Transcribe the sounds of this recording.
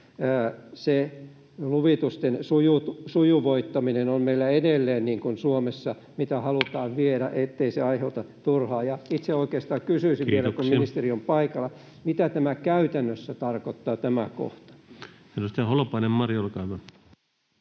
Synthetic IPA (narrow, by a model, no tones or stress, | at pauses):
se | luʋit̪ust̪ensujut̪sujuʋoit̪ːɑminenommeilːæedelːeːnniːŋkunsuomesːɑ | mit̪æhɑlut̪ɑːʋʋieɾæʔet̪ːeiseɑiheut̪ɑ | t̪urhɑːjɑit̪seoikeːst̪ɑːkysyisiʋʋielækumminist̪eriompɑikɑlːɑ | mit̪æt̪æmækæyt̪ænːøsːæt̪ɑrkot̪ːɑːt̪æmæko̰ht̪ɑ̥ | senost̪æholopɑinemmɑrjolkɑikɑ